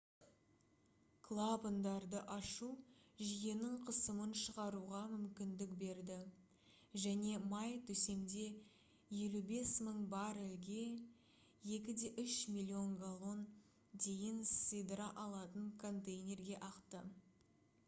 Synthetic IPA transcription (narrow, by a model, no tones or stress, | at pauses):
kʰlˠabənd̪ɑɾd̪əʔɑʃuʒije̞nɪɴqʰəsəmənʃəʁɑɾuʁɑmʏmkʲɪnd̪ɪkbe̞ɾd̪ɪ | ʒæne̞mɑjt̪ʰɵse̞md̪e̞ | je̞lube̞sməɴbɑɾɪlɡʲe̞ | je̞kʲɪd̪e̞ʔʏʃmʲilʲːio̞ŋɡalˠo̞n | d̪e̞jɪnsɨjd̪ɾɑʔɑlˠɑt̪əɴkʰo̞nt̪ejnʲe̞rɡʲe̞ʔɑqt̪ə